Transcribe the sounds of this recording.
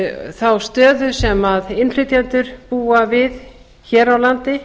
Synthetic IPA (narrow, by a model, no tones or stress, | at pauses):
θawst̪œːðʏsɛmaðɪnlɪt̪jant̪ʏɾ̥puːavɪð | çɛːɾawlant̪ɪ